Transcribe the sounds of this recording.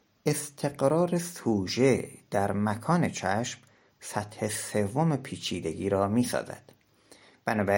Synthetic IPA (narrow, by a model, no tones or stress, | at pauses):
e̞st̪ʰe̞ɢɾɒːɾesuːd͡ʒed̪̥æɾmækʰɒːne̞t͡ʃʰæʃm | sæt̪he̞se̞vomepʰiːt͡ʃʰiːd̪e̞ɡiːɾɒːmiːsɒ̰ːzæ̰d̪̥ | b̥ænɒːbæ